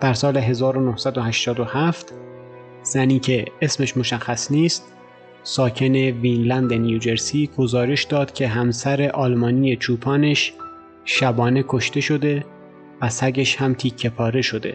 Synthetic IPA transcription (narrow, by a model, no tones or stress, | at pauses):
d̪̥æɾsɒːle̞ɦe̞zɒːɾonohsæd̪o̞hæʃt̪ɒːd̪ohæft̪ | z̥æniːcʰe̞esme̞ʃmo̞ʃæxːæsniːst̪̚ | sɒːcʰe̞ne̞viːnlænd̪e̞nijuːd͡ʒe̞ɾsiːɡ̥ozɒːɾe̞ʃd̪ɒːd̪̥cʲʰe̞ɦæmsæɾe̞ʔɒːlmɒːnije̞t͡ʃʰuːpʰɒːneʃ | ʃæbɒːne̞kʰoʃt̪e̞ʃo̞d̪e̞ | væsæɟeʃhæmt̪ʰiːkʰːe̞pʰɒːɾe̞ʃo̞d̪e̞̰